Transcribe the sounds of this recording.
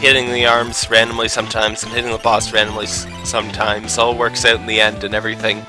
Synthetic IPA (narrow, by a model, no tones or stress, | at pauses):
hɪɾɪ̃ŋðiɑɹmz̥ɹæ̃nm̩lˠisʌ̃mtʰãɪ̃mz̥̃n̩hɪɾɪ̃ŋðəbɔsɹæ̃nm̩l̩ˠis | sʌ̃mtʰãɪ̃mz̥ɔlˠwɜ˞ksaʊɾn̩ðiɛ̃ndɨ̃nɛvɹiθɪ̃ŋ